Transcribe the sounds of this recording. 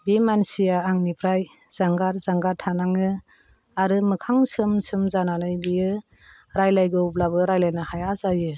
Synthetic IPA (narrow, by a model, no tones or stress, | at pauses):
bimansijaːŋnipʰɾaj | z̥aŋɡaɾzaŋɡaɾtʰanaŋɯ | aɾɯmɯkʰaŋsɯmsɯmzananɯjbijɯ | ɾajlajɡɯuplabɯɾajlajnahajazajɯ